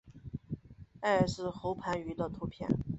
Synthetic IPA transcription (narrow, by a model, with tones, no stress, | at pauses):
a˥˩ə˨˩ʂɻ̩˥˩xo˧˥ʊpʰa˧˥ny˧˥d̪ə˧t̪ʰu˧˥pʰjɛ̰˥˩n